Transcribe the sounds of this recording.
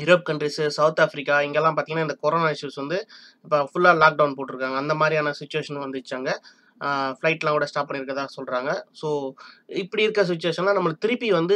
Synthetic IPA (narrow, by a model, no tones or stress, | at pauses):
ɪɾɐːp̚kɐɳɖɾisɯsɐʋt̪aːfɾɪkːaːɪŋɡɛlːãːpaːɾt̪ĩːŋɡnaːɪnd̪ɐkɔɾoːnaːɪʂuːsʋɐnd̪ɯ | ɪpːɐfʊlːaːlaːk̚ɖɐʊnpoːʈːɯɾɯkːaːŋɡɐnd̪ɐmaːd̪ɾiaːnɐsɪt͡ʃːʊʋeːʂɐnʋɐnd̪ɯt͡ʃːaːŋɡɐ | flɐɪʈːlãːŋkuːɽɐsʈaːp̚pːɐɳːɪɾɯkːɐðaːɣɐsɔlɾaːŋɡɐsoːɪpːɐɽiɪɾɯkːɾɐs̬ɪt͡ʃːʊʋeːʂɐnlaːnɐmːɐɭɯt̪ɪɾɪpːiʋɐnd̪ɯ